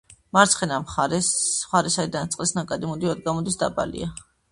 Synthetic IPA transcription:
maɾtsʰχɛnamχaɾɛχaɾɛsaɾid̪ant̪sʼqʼlisnakʼad̪imɔd̪ivad̪ɡamɔd̪isd̪a̰pʼa̰lḭa

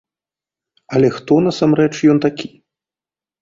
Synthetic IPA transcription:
ɐlʲɛxt̪ɔnɐsamɾɛt͡ʂjɔnt̪akʲi̥

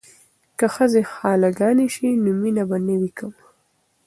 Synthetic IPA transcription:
kaxəzexɑlaɡɑniʃinʊminabanəwikəm

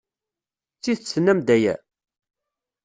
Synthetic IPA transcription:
t͡sːiðt͡sːənːæmd̪æjæ̰

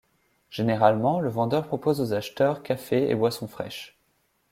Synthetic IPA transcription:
ʒ̥eneʁalmɑ̃ləvɑ̃d̪œʁpχɔpozozaʃt̪œʁkʲafeḛbwasɔ̃fχɛ̰ʃ

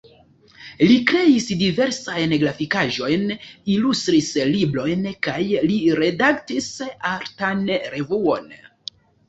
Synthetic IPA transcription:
likɾe̞isdive̞ɾsajnɡlafikaʒo̞jnilustɾislibɾo̞jnkajliɾe̞daktisaɾtanɾe̞vuo̞n

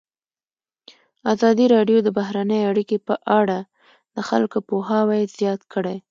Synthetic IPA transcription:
ɑzɑd̪iɾɑɖjod̪əbaɦɾanəjeaɽikepəʔaɽa | d̪əxa̰lkopoɦɑwajz̥jɑt̪kəɽaj

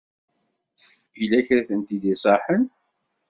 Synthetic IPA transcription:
ilːæçɾæθənt̪id̪isˤɑħən

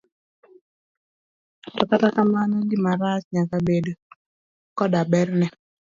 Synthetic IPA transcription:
tɔkatakamanɔɡɪmaɾasɲakabedo | kɔdabɛɾnɛ

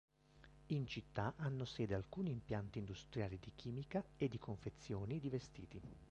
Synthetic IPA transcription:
int͡ʃit̪ːaʔanːosɛːd̪ealkuːniːmpjant̪iːnd̪ust̪ɾjaːlid̪ik̟ʰiːmikaed̪ːikʰoɱfet̪sːjoːnid̪ivest̪ḭːt̪i

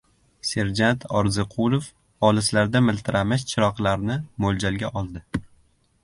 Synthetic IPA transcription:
se̞ɾd͡ʒant̪ʰɒɾzɪqʰʊlˠof | ɒlɪslaɾd̪amɪlt̪ʰɪɾamɪʃt͡ʃʰɪɾɒqlˠaɾnɪmold͡ʒalɡʲaʔɒlˠd̪ɪ

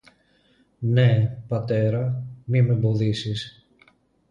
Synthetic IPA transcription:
ne̞pɐt̪e̞ɾɐmime̞bo̞ðisis

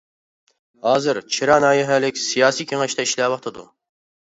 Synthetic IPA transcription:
hɑːzɨɾt͡ʃʰiɾɑnɑːjɪɦɛlɪkʲsijɑːsikʲʰeŋɛʃt̪ɛiʃlɛwɑt̪ʰɨd̪ṵ

